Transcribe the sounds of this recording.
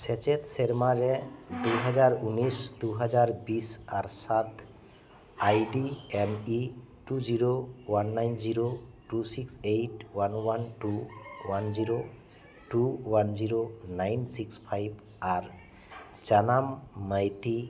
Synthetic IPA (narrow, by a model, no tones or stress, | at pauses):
set͡ʃet̪seɾmaɾɛd̪uɦad͡ʒaɾunisd̪uɦad͡ʒaɾbisaɾsat̪ʰ | ajɖiemi | ʈuziɾowanːajnziɾoʈusiksejʈwanwanʈuwanziɾo | ʈuwanziɾonajnsikspʰajb | aɾ | d͡ʒanamːəjt̪i